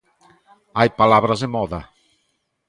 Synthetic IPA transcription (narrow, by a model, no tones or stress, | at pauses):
ajpalaβɾazðemɔða